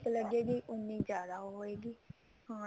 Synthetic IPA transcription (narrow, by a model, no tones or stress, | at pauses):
kləɡeːɡiːʔʊnːĩːzjaːd̪aːɦoɦoːeːɡiː | hãː